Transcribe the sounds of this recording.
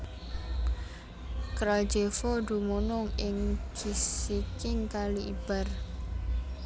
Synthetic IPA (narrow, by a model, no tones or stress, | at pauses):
kɾal̥d͡ʒefɔd̪̥ṳmonʊŋɪŋd͡ʒ̥isikɪŋkaliʔib̥a̤r